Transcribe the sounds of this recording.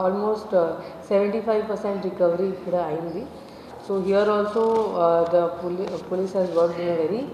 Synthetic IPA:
ɔlmoːsʈseʋə̃ɳʈifajʋpəɾsẽɳʈɾikəʋɾifiɽəaĩnd̪i | soɦiəɾɔlsod̪əppolisɦæzʋəɾkʈĩnəʋeɾi

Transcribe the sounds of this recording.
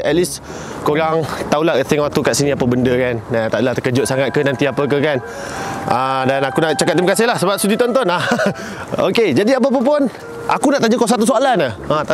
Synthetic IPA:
ət̪̚lis | koɾaŋt̪aulaɦət̪ɪŋat̪ukaʔsinĩapəbəndəkanat̪a̰ʔdəlaht̪əkəd͡ʒʊt̪̚saŋat̪̚kənant̪iapək̬əkan | ʔadanakunaʔt͡ʃakat̪̚dimakasɪɦlahsəbap̚sudit̪ɔnt̪ɔna | oked͡ʒadiap̬ap̬əp̬ʊn | ʔakunaʔt̪aɲukɔsat̪us̬oalanəat̪a

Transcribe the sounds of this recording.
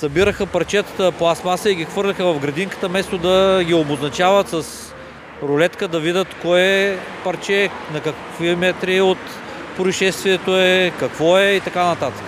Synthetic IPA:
sɐbiɾəxəpɐɾt͡ʃɛt̪ə̥t̪əplˠasmasəiɡʲixvɤɾlʲɐxəvɐfɡɾɐd̪iŋkə̥t̪əmɛst̪od̪ɐɡʲioboznɐt͡ʃavɐt̪sɐs | ɾʊlɛt̪kəd̪ɐvid̪ʲət̪kɔjɛpɐɾt͡ʃɛnɐkɐk | vimɛt̪ɾiot̪ | pɾojʃɛst̪viɛt̪oɛkɐkvɔɛit̪ɐkanɐt̪at̪ə̥k

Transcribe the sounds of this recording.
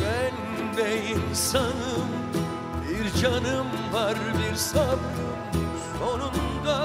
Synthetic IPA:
mɛn | mejinsɑnɯm | biɾd͡ʒɑnɯmvɑɾbiɾsɑb | sonund̪a

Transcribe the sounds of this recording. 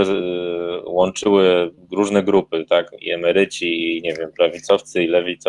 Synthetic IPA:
wɔnt͡ʂɘwɘ | ɾuʐnɛɡɾupɘt̪akḭɛmɛɾɘt͡ɕiiɲɛvʲjɛmpɾavʲit̪sɔft̪sɘilɛvʲit̪sɔ

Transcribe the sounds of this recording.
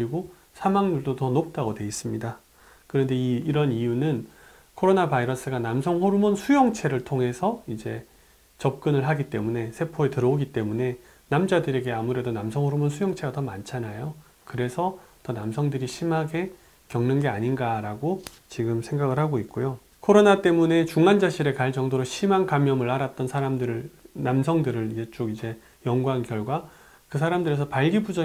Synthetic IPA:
kɾiɡo | sʰamaŋɲuɭdotʌnok̚t͈aɡodwe̞is͈ɯmɲida | kɯɾʌnde̞iːɾʌnijunɯn | kʰoɾonabaiɾʌs͈ɯɡanamsʰʌŋɦoɾumonsʰujʌŋt͡ɕʰe̞ɾɯɭtʰoŋɦe̞sʰʌid͡ʑe̞ | t͡ɕʌp̚k͈ɯnɯɭɦaɡit͈e̞mune̞sʰe̞pʰoetɯɾʌoɡit͈e̞mune̞ | namd͡ʑadɯɾe̞ɡe̞amuɾe̞donamsʰʌŋhoɾumonsʰujʌŋt͡ɕʰe̞ɡatʌmant͡ɕʰanajo | kɯɾe̞sʰʌtʌnamsʰʌŋdɯɾiɕʰimɦaɡe̞ | kjʌŋnɯnɡe̞aɲinɡaɾaɡo | t͡ɕiɡɯmsʰe̞ŋɡaɡɯɭhaɡoit̚k͈ojo | kʰoɾonat͈e̞mune̞t͡ɕuŋand͡ʑaɕʰiɾe̞kaɭd͡ʑʌŋdoɾoɕʰimankamjʌmɯɭaɾat͈̚ʌnsʰaɾamdɯɾɯnamsʰʌŋdɯɾɯɾid͡ʑe̞t͡ɕ͈oɡid͡ʑe̞ | jʌŋɡwankjʌɭɡwa | kɯs̬ʰaɾamdɯɾes̬ʰʌpaɭɡibud͡ʑʌ

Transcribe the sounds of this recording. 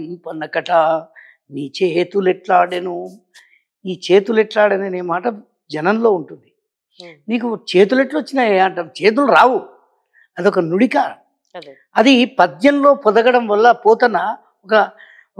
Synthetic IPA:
pɐnːɐkɐʈɐ | niːt͡ʃeːt̪ulɛʈlaːɽenu | iːt͡ʃe̞ːt̪uleʈlaːɽɐneneːmaːʈɐ | d͡ʒɐnɐnlo̞ːuɳʈund̪i | niːk̬ut͡ʃe̞ːt̪̬uleʈlɐt͡ʃːinɐeɐɳʈɐt͡ʃe̞ːt̪̬uluɾaːwu | ɐd̪iɔkɐnuɽika | ɐd̪ipɐd̪jɐnlo̞ːpɔd̪ɐɡɐɽɐmʋɐlːɐpɔːt̪ɐnːɐ | ɔkɐ

